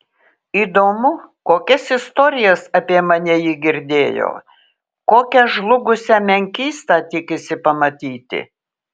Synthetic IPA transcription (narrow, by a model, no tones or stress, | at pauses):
iːd̪oːmʊkoːkʲɛsɪst̪oːɾʲɪjɛsɐpʲiɛmɐnʲɛjiːɡʲɪɾʲd̪ʲeːjo̰ː | koːkʲɛʒlˠʊɡʊsʲæmʲɛŋʲkʲiːst̪ɑːt̪ʲɪkʲɪsʲɪpɐmɐt̪ʲiːt̪ʲɪ̰